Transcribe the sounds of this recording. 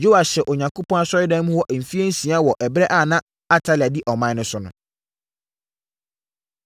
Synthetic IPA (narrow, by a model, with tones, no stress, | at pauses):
d͡ʒo˦a˨ɕɛ˨ʔo˨ɲã˨ŋkʰo˦pʰɔ̃˦a˦sɔ˦ɪ˦dɛ̃˦n˦mũ˦wɔ˦ʔm̩˨fi˦e˦n̩˦sĩ˨a˦wɔ˨ʔɛ˨bɾɛ˦ʔaː˦˨nã˦ | a˦tʰa˦lɪ˨a˨di˦ʔɔ˨mã˦nʊ̃˦sʊ˦nʊ̃˨